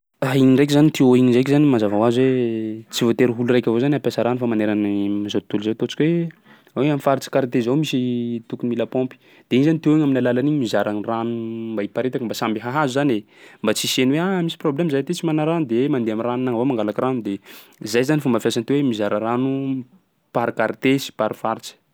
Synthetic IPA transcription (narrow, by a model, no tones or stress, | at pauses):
aiɲinrejk̬izanit̪ʰeoiɲzajk̬ʲizanimazavawazwet͡sivot̪eɾiɦulurajkʲavozaniapasaɾanufamaneɾanimazot̪uluzot̪ot͡si̥kʲwe | weamifaɾit͡si̥kaɾit̪ezowmisit̪ukunmilapompi̥ | d̪̥eiɲizanit̪eoiɲaminalalaniɲimizaɾaŋranumbaipaɾet̪akimbasambiɦaɦazuzanembat͡sisenweamisi̥problemazajat̪it͡simanaɾanud̪ewmand̪eaminranunaŋvomaŋɡalakranud̪ezajzanifombafjasant̪ewemizaɾaranu | paɾikaɾit̪esi̥paɾifaɾit͡si̥